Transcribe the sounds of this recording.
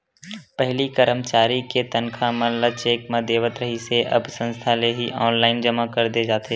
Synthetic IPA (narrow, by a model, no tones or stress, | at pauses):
pɛɦlikəɾəmt͡ʃaːɾiket̪ənkʰamə̃nlat͡ʃeːkmãd̪eːʋət̪ɾəɦiseʔɐ̰bsə̃nst̪ʰaleɦiʔɔːnlaːɪnd͡ʒəmakɐɾd̪ed͡ʒaːt̪e